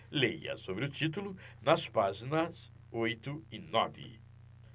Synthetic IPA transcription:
lejɐ̰sobɾɪʊt͡ʃit̪ulʊnɐspaʒinɐz | ojt̪ʊɪnɔ̰vɪ̰

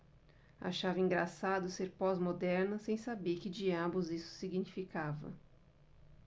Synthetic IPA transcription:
a̰ʃavɐĩŋɡɾasad̪ʊseɾpɔzmod̪ɛɾnɐsẽj̃sabeɾkɪd͡ʒiabʊzisʊ̥siɡinifikavɐ̰

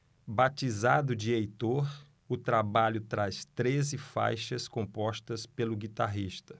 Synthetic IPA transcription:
bat͡ʃizad̪ʊd͡ʒiejt̪oɾ | ʊt̪ɾabaʎʊt̪ɾast̪ɾezɪfa̰jʃɐskõpɔst̪ɐspelʊɡit̪aɦiʃt̪ɐ

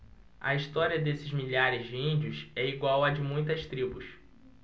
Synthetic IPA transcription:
ɐ̰iʃt̪ɔɾiɐd̪esɪzmiʎaɾɪzd͡ʒɪĩnd͡ʒiʊsɛiɡwawɐd͡ʒɪmũj̃t̪ɐst̪ɾibʊs

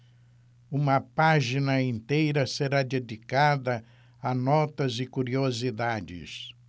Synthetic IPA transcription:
ũmɐpaʒinɐĩnt̪ejɾɐseɾad̪ed̪ikad̪ɐ | ɐnɔt̪ɐzɪkuɾiozid̪ad͡ʒɪ̰s

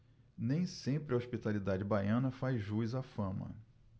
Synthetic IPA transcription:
nẽj̃sẽmpɾɪɐoʃpit̪alid̪ad͡ʒɪbajɐ̃nɐfajzʒuizafɐ̃mɐ̰

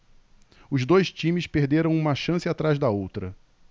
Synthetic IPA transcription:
ʊzd̪ojʃt͡ʃĩmɪspehd̪eɾɐ̃w̃ũmɐʃɐ̃sɪat̪ɾazd̪ɐowt̪ɾɐ

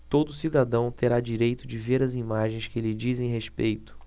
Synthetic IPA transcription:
t̪od̪ʊːsid̪ad̪ɐ̃w̃t̪eɾad͡ʒiɾejt̪ʊd͡ʒɪveɾɐzimaʒẽj̃skɪlɪd͡ʒizẽj̃ɦespejt̪ʊ̥

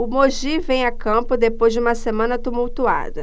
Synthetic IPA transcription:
ʊmoʒivẽj̃akɐ̃pʊd̪epojzd͡ʒɪũmɐsemɐ̃nɐt̪umuwt̪ua̰d̪ɐ

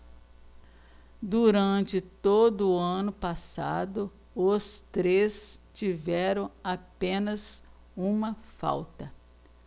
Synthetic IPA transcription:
d̪uɾɐ̃nt͡ʃɪt̪od̪ʊɐ̃nʊpasa̰d̪ʊ | ʊst̪ɾest͡ʃivɛɾɐ̃w̃apẽnɐz | ũmɐfa̰wt̪ɐ

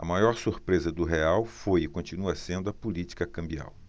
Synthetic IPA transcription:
ɐ̰majɔɾsuɾpɾezɐd̪ʊɦeawfojɪkõt͡ʃinuɐsẽnd̪ʊɐpulit͡ʃi̥kɐkɐ̃mbia̰w

